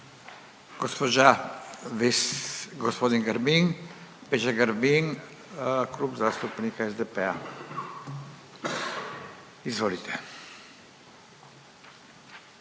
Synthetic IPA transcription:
ɡ̥ospoʒa | ɡɔspoːd̪inɡaɾmiŋpet͡ʃaɡaɾmiŋ | klupzast̪upnikaɛzd̪ɛpɛa | izʋoːlit̪ʰɛ̥

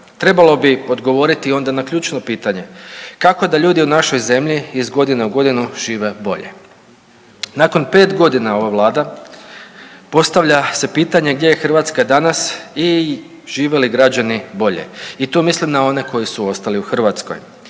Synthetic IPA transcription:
t̪ɾe̞balˠo̞bio̞d̪ɡo̞ʋo̞ɾit̪io̞nd̪anakʎʲuːt͡ʃno̞piːt̪aɲe̞kako̞d̪aʎuːd̪iunaʃo̞jze̞mʎiizɡo̞d̪ineuɡo̞d̪inuʒ̥iːʋe̞bo̞̰ʎḛ | nako̞npe̞ːt̪ɡo̞d̪inao̞ʋaʋlˠaːd̪a | po̞st̪aʋʎase̞piːt̪aɲe̞ɡ̚d̪je̞jexrʋat̪skad̪anasi | ʒ̥iːʋe̞liɡɾad͡ʑanibo̞ʎe̞̰it̪omislimnao̞ne̞ko̞jisuo̞st̪aliuxr̩ʋat̪sko̞̰j

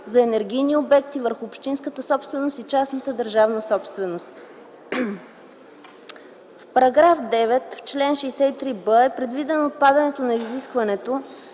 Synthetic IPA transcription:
zɐɛnɛɾɡ̟ʲijniobɛkt̪ivəɾxʊːpʃt̪inskət̪əsɔpst̪vɛnost̪it͡ʃasnət̪əd̪əɾʒavnəsɔpst̪vɛnost̪ | fpɐɾɐɡɾafd̪ɛvɛt̪ft͡ʃlɛnʃɛjsɛit̪ɾibəɛpɾɛd̪vid̪ɛnot̪̚pad̪ɐnɛt̪onɐiziskvɐnɛt̪o

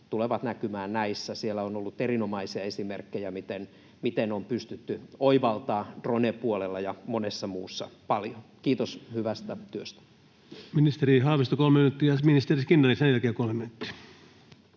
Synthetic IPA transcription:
t̪uleʋɑt̪nækymæːnnæisːæsielːæonolːut̪erinomɑisiɑesimerkːejæmit̪en | mit̪enompyst̪yt̪ːyoiʋɑlt̪ɑːd̥ronepuolelːɑjɑmonesːɑmuːsːɑ̰pɑljokiːt̪oshyʋæst̪æt̪yøst̪æ̥ | minist̪eɾihɑːʋist̪okolmeminyt̪ːiɑsminist̪eriskinːɑlisenælkeːkolmeminyt̪ːi̥

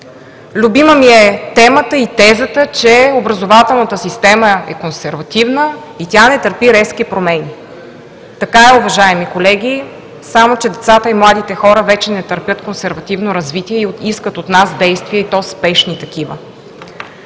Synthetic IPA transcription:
lʲʊbiməmiɛt̪ɛmət̪əit̪ɛzət̪ət͡ʃɛobɾəzovat̪ɛlˠnət̪əsist̪ɛməɛ̰konsɛɾvɐt̪ivnə | it̪ʲanɛt̪əɾpiɾɛsk̟ipɾomɛni | t̪ɐkaɛʊvɐʒaɛmikolɛɡ̟ʲi | samot͡ʃɛd̪ɛt̪sat̪əimlˠad̪it̪ɛxɔɾəvɛt͡ʃɛnɛt̪ɐɾpʲjət̪konsɛɾvɐt̪ivnoɾɐzvit̪iɛioiskət̪ot̪nazd̪ɛjst̪viɛit̪ɔspɛʃnit̪ɐk̟ivə̰

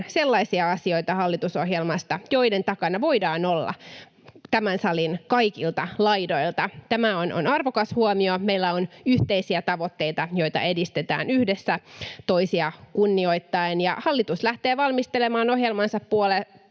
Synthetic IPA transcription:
selːɑisiɑɑsio̞it̪ɑhɑlːit̪uso̞ɦjelmɑst̪ɑjo̞ident̪ɑkɑnɑʋo̞idɑːnolːɑ̰ | t̪æmænsɑlinkɑikilt̪ɑlɑidoilt̪ɑt̪æmæono̰nɑrʋokɑshuomiomejlːæonyht̪eisiæt̪ɑʋot̪ːe̞it̪ɑjo̞it̪ɑ̰e̞dist̪et̪æ̰ːnyhdesːæt̪oisiɑkunːio̞it̪ːɑenjɑ̰hɑlːit̪uslæht̪eːʋɑlmist̪elemɑːno̞ɦjelmɑnsɑppuole

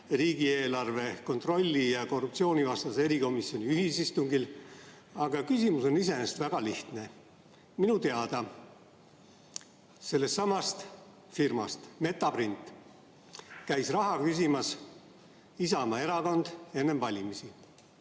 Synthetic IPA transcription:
riːɡie̞ːlɑrve̞ko̞nt̪ro̞lʲːijɑko̞rːup̚t̪sio̞ːnʲivɑst̪ɑse̞ɾiko̞misjo̞nʲiyhisist̪uŋɡil | ɑɡ̥ɑkysʲimuso̞nise̞nest̪væɡ̥ɑliht̪ne̞ | minut̪e̞ɑd̪̥ɑ | se̞lːe̞st̪ːɑmɑst̪ | firmɑ̰st̪me̞t̪ˑːɑbrint̪ːˑ | kæjsrɑɦɑkys̬ʲimɑs | isɑmɑe̞ɾɑko̞nd̪̥e̞nːe̞mvɑlʲimisi

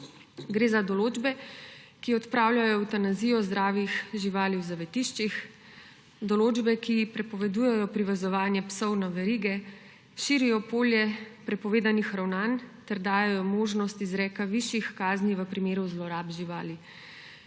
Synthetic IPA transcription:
ɡɾeːzad̪ɔloːd͡ʒbɛkiɔt̪pɾaːwljajɔwt̪anaziːjɔzd̪ɾaːʋixʒiʋaːliwzaʋɛt̪iʃt͡ʃix | d̪ɔloːd͡ʒbɛkipɾɛpɔʋɛd̪uːjɛjɔpɾiʋɛzɔʋaːnjɛpsɔwnaʋɛɾiːɡɛ | ʃiɾijɔpoːljɛpɾɛpɔʋeːd̪anixɾawnaːnt̪ɛɾd̪aːjɛjɔmoːʒnɔst̪izɾɛːkaʋiʃjixkaːzniʋəpɾimeːɾuzlɔɾaːbʒiʋaːli

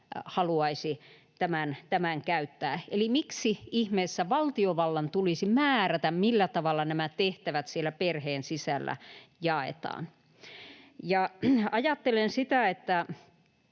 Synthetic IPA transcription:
hɑluɑisi | t̪æmænt̪æmæŋkæyt̪ːæːelimiksiihmeːsːæʋɑlt̪ioʋɑlːɑnt̪ulisimæːræt̪æmmilːæt̪ɑʋɑlːɑnæmæt̪eht̪æʋæt̪sielːˑæperheːnsisælːæ̰jɑˑḛt̪ɑ̰ːn | jɑɑjɑt̪ːelensit̪æet̪ːæ

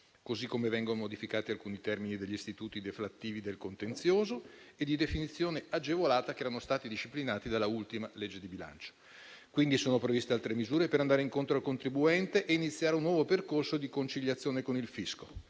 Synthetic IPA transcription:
kozikːomevɛŋɡonomod̪ifikaːt̪ialkuːnit̪ɛrminid̪eʎːist̪it̪uːt̪id̪eflat̪ːiːvid̪elkont̪ent̪sjoːzoed̪id̪efinit̪sːjoːnead͡ʒevolaːt̪akeɛːɾanost̪aːt̪id̪iʃiplinaːt̪id̪alːault̪imaled͡ʒːed̪ibila̰nt͡ʃo̥ | kwind̪isoːnopɾevist̪ealt̪ɾemizuːɾepeɾand̪aːɾeiŋkont̪ɾoalkont̪ɾibuɛnt̪eʔeinit̪sːjaːɾeunːwɔːvoperkorsod̪ikont͡ʃiʎːat̪sːjoːnekonilfisko

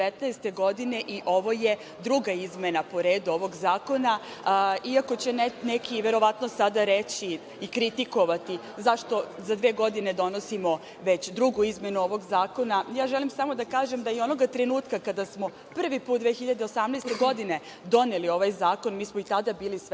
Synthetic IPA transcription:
et̪nɛjst̪e̞ɡo̞d̪ine̞ʔiʔo̞ʋo̞je | d̪ɾuɡaizme̞napo̞ɾe̞ːd̪uo̞ʋo̞ɡzaːko̞na | iakot͡ɕe̞nnekʰiʋe̞ɾo̞ʋat̪no̞sad̪aɾe̞t͡ɕiː | kɾit̪iko̞ʋat̪i | zaʃt̪o̞zad̪ʋe̞ːɡo̞d̪ine̞d̪o̞no̞simo̞ | ʋe̞t͡ɕd̪ɾuɡuizme̞nuo̞ʋo̞ɡzaːko̞najaːʒelimsamo̞d̪akaːʒemd̪ajeo̞no̞ɡat̪ɾe̞nuːt̪kakad̪asmo̞ | pr̩ʋipuːt̪d̪ʋexiʎad̪e̞osamnɛst̪e̞ɡo̞d̪ine̞ | d̪o̞nelio̞ʋajzaːko̞nmiːsmoit̪ad̪abiːlis

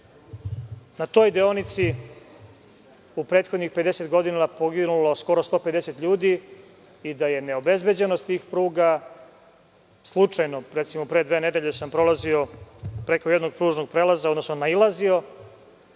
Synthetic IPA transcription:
nat̪o̞ːjd̪eonit̪si | upɾe̞ːt̪xod̪nixpe̞d̪eset̪ɡo̞d̪inapo̞ɡinulo̞sko̞ɾo̞st̪o̞ːpe̞d̪ese̞t̪ʎuːd̪i | id̪aje̞ne̞obe̞zbe̞d͡ʑe̞nost̪iːxpɾuːɡa | slˠut͡ʂajnoɾet̪simopɾed̪ʋeːne̞d̪e̞ʎe̞sampɾo̞lazio̞pɾekojed̪noɡ̚pɾuːʒno̞ɡ̚pɾeːlazaod̪no̞snonailˠazio̞

